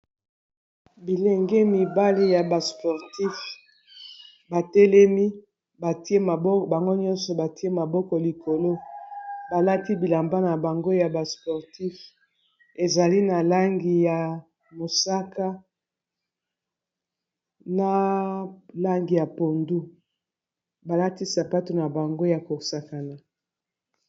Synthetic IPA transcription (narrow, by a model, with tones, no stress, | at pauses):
bi˨le˨ŋɡe˦mi˨ba˦li˦ja˨ba˨spɔ˨ʁti˦f | ba˨tɛ˦lɛ˦mi˦ | ba˨ti˦e˦ma˨bɔ˦˨ba˨ŋɡo˦ɲɔ˦nsɔ˨ba˨ti˦e˦ma˨bɔ˦kɔ˨li˨ko˨lo˦ba˨la˦ti˦bi˨la˨mba˦na˨ba˨ŋɡo˦ja˨ba˨spɔ˨ʁti˦f | e˨za˨li˦na˨la˦ŋɡi˨ja˨ | mo˨sa˦ka˦ | na˦ | la˦ŋɡi˨ja˨po˨ndu˦ | ba˨la˦ti˦sa˨pa˦to˨na˨ba˨ŋɡo˦ja˨ko˨sa˨ka˨na˨